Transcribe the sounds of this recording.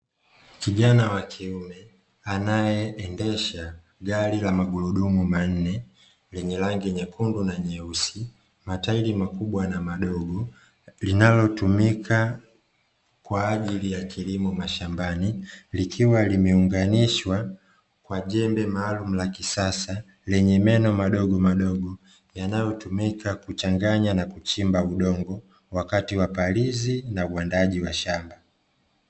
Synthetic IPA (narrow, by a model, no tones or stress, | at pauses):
kiʄanawakʰiumɛ | anajɛɛndɛʃa | ɡalilamaɡuluɗumuman̩nɛ | lɛɲɛlaŋɡiɲɛkundunaɲɛusi | matailimakuɓwanamaɗɔɡɔ | linalɔtumikʰa | kwaːʄilijakʰilimɔmaʃambanilikʰiwalimɛuŋɡaniʃwa | kwaʄɛmbɛmaːlum̩lakisasa | lɛɲɛmɛnɔmaɗɔɡɔmaɗɔɡɔ | janajɔtumikakut͡ʃaŋɡaɲanakut͡ʃimbauɗɔŋɡɔ | wakatiwapalizinauwandaʄiwaʃamba